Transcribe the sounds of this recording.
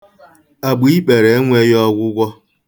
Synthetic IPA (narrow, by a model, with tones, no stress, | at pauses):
a˨ɡ͡bi˦i˦k͡pe˨ɾe˨˦ŋʷe˦jɔ˦ɡʷʊ˦ɡʷɔ˦